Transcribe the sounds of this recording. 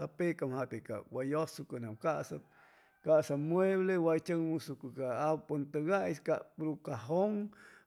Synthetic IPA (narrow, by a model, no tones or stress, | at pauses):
apekamhat̪eka̰wajosukanamkaʔsa | kaʔsamweβlewajt͡ʃəŋmusukukaapont̪əɡaʔiskaʔpɾukaɦoŋ